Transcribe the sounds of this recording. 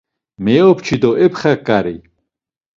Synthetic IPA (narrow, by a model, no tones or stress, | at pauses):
meopt͡ʃʰid̪oʔepχakːaɾi